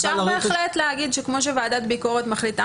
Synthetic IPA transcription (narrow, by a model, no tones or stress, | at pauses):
ʃaʁbeːχlet̪leaɡid̪ʃekmo̞ʃ̬evaːd̪at̪biko̞ʁet̪maχlit̪a